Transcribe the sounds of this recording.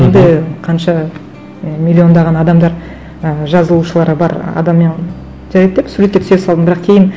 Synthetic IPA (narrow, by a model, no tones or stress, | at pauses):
end̪ɪqʰɑnʃɑ | mʲilʲːio̞nd̪ɑʁɑnɑd̪ɑmd̪ɑɾ | əʒɑzəlˠuʃəlˠɑɾəbɑɾɑ̰d̪ɑmːen | ʒ̥æɾjt̪̚d̪e̞psuɾekʲt̪ʰsesɑlˠd̪əmbɪɾɑqkʲʰe̞jɪn